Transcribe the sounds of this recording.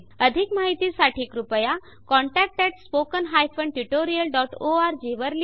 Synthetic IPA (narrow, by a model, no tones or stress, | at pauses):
əd̪ʱikmaɦit̪isaʈʰikɾupəja | kɔ̃ɳʈɛk̚ʈɛʈspokənɦajpʰə̃ɳɖʈuʈoɾijəlɖɔːʈoaːɾd͡ʒiʋəɾl